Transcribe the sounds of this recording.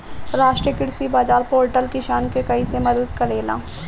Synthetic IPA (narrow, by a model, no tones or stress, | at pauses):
ɾaːʃʈɾiəkɪɽsibaːd͡ʒaːɾpoːɾʈəlkɪʃaːnkekɐisemɐd̪əd̪kɐɾeːla̰ː